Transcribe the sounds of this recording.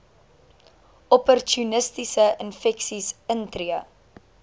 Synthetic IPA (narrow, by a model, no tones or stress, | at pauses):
ɔpɔrtunəstisəʔənfɛksisəntɾiə